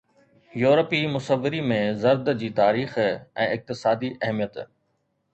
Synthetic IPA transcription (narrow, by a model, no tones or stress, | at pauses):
juːɾəpimʊsəʋːɪɾimẽzɐɾd̪d͡ʑiːt̪aːɾiːxɛ̰̃ːɪk̚t̪ɪsaːd̪iʔɐɦmijət̪